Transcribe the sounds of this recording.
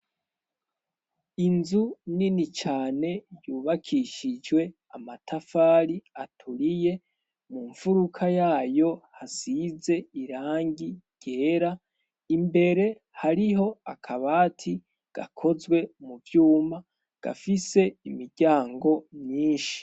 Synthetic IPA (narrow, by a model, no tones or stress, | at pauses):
inzuninit͡ʃaːne̞juːβakʰiʃid͡ʒɡwe̞ | amatʰafaːɾiatʰuɾije̞ | muɱfuɾukʰajaːjo̞hasize̞iɾaːŋɡiɟ̥e̞ːɾa | imbe̞ɾe̞ | haɾiɦo̞akʰaβaːtʰi | ɡ̥a̰kʰo̞zwe̞muvjuːma | ɡ̥a̰fise̞imiɾɟaːŋɡo̞mɲiːnʃi̥